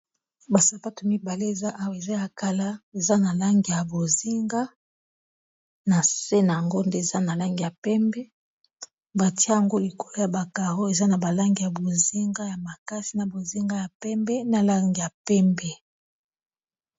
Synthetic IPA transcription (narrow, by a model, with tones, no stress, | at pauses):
ba˨sa˨pa˦to˨mi˦ba˨le˦e˨za˦ʔa˦wa˨e˨za˦ja˨ka˦la˦e˨za˦na˨la˦ŋɡi˨ja˨bo˨zi˦ŋɡa˦ | na˨se˦na˨ja˨ŋɡo˦nde˦e˨za˦na˨la˦ŋɡi˨ja˨pɛ˦mbɛ˦ | ba˨ti˦a˦ja˨ŋɡo˦li˨ko˨lo˦ja˨ba˨ka˨ʁo˦e˨za˦na˨ba˨la˦ŋɡi˨ja˨bo˨zi˦ŋɡa˦ja˨ma˨ka˦si˨na˨bo˨zi˦ŋɡa˦ja˨pɛ˦mbɛ˦na˨la˦ŋɡi˨ja˨pɛ˦mbɛ˦